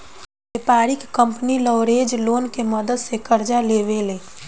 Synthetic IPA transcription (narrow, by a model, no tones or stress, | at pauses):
bepaːɾɪkkːə̃mpnilɔːʊɾeːd͡ʒloːnkeməd̪əd̪sekəɾd͡ʒaleːʋeleː